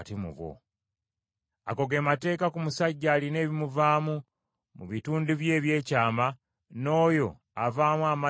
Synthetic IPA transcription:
timṵβo̰ | a̰ko̞ɡe̞mate̞ːkakumusaɟːaːline̞ːβimuvaːmu | mṵβituːnduβje̞ːβje̞ːcaːma | no̞ːjo̞ | avaːmwaːma

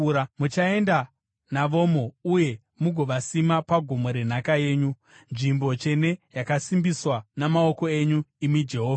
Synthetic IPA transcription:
mut͡ʃae̞nda | naʋo̞mouje̞ | muɡʱo̞ʋasimapaɡʱomo̞ɾe̞n̤akaje̞ːɲu | nʐimbo̞t͡ʃe̞ne̞jakasimbiswanamaoko̞e̞ɲuimid͡ʒe̞ɦoːva

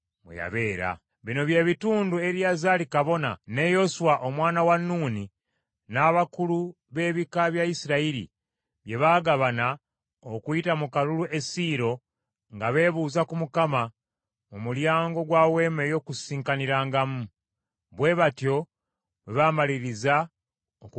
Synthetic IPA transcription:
mwḛja̰βe̞ːɾa̰ | βino̞βje̞ːβituːndue̞ɾjazalikaβo̞na̰ne̞jo̞suwaʔomwaːnawanːuːni | naβakulu | βe̞ːβikaβjaisiɾaiɾḭ | βje̞βaːɡaβana | okuitamukaluluʔe̞siːɾo̞ | ŋɡaβe̞ːβuːzakumukama | mumuljaːŋɡo̞ɡwaːwe̞me̞jo̞ːkusiːŋkaniɾaːŋɡamu | βwe̞βatjo̞ | βeβamaliɾiza | ok

